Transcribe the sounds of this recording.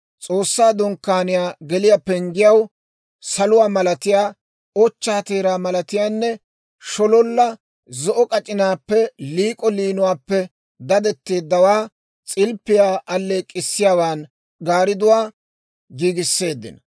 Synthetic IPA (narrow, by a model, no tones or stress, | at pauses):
t͡sʼoːsːaːd̪ɔŋkːaːnɪjaːɡɛlɪjapɛŋɡɪjɐw | sɐlʊwaːmɐlɐt̪ɪjaː | ɔt͡ʃːaːt̪eːɾaːmɐlɐt̪ɪjaːnːɛ | ʃɔlɔlːɐ | zɔʔɔkʼɐt͡ʃʼɪnaːpːɛliːkʼɔliːnʊwaːpːɛ | d̪ɐd̪ɛt̪ːeːd̪ːɐwaː | t͡sʼɪlpːɪjaːʔɐlːeːkʼɪsːɪjaːwaːn | ɡaːɾɪd̪ʊwaː | ɡiːɡɪsːe̞ːd̪ːɪ̰nɐ